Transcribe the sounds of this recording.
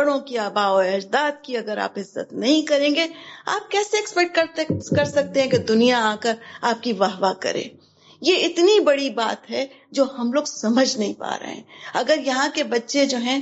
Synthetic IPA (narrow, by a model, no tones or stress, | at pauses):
ɐɽõkiaːbaːɔːɛːd͡ʒd̪aːt̪̚kiɐɡəɾa̰ːpɪzːə̰t̪nɐɦĩkɐɾẽːɡea̰ːp̚kɛːseɛkspɛk̚ʈ̚kɐɾt̪kɐɾsɐk̚t̪ẽɦɛ̃ked̪ʊnijaaːkəɾaːp̚kiʋaːɦʋakɐ̰ɾḛ̃ː | jeɪt̪nibɐɽibaːt̪ɦɛ | d͡ʒoːhɐmloːɡsɐməd͡ʒʱnɐɦĩpa̰ːɾɐ̰ɦɛ̰̃ɐɡəɾjɐɦãkebɐtːʃed͡ʒoːɦɛ̃